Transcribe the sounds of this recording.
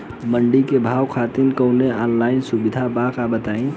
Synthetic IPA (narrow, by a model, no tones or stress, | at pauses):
məɳɖikebʱawkʰat̪inkəʊneɔnlainsubid̪ʱabakabət̪aĩ